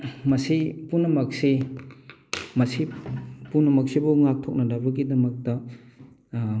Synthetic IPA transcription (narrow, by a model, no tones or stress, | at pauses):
mɐsipunɐmɐk̚si | mɐsipunɐmɐk̚sibuŋak̚tʰok̚nɐdabɐɡidɐmɐk̚tɐ